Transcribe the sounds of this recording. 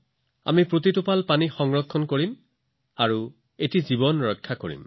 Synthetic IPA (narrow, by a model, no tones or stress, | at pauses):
a̰mipɹotitʊpalpanixɔŋɹɔkʰːɔnkoɹim | aɹu | etizibɔnɹɔjkʰːakoɹḭm